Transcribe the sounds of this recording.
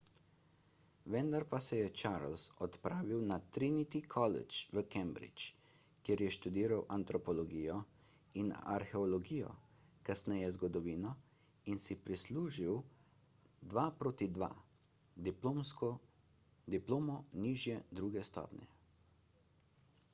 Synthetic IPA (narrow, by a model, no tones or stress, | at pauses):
ʋɛnd̪aɾpasɛjɛt͡ʃaːɾlsɔt̪pɾaːʋiwnat̪ɾinit̪ikʰɔlɛ̰t͡ʃʋəkɛmbɾḭt͡ʃkjeɾjɛʃt̪ud̪iːɾawʔant̪ɾɔpɔlɔɡiːjɔ | ina̰ɾxɛɔlɔɡiːjɔ̰ | kasnɛjɛzɡɔd̪ɔʋiːnɔ | insipɾisluːʒiw | d̪ʋaːpɾoːt̪id̪ʋa̰ | d̪iplomskɔ | d̪iploːmɔniːʒjɛd̪ɾuːɡɛst̪ɔ̰pnʲɛ̰